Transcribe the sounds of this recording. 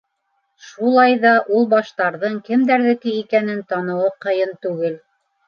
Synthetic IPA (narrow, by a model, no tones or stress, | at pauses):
ʃulˠɑjðɑʔulˠbɑʃt̪ɑɾðɤɴkɘmd̪æɾðɘ̆kɘikænɘnt̪ɑnɤ̆wɤqɤ̆jɤnt̪ʉɡɘl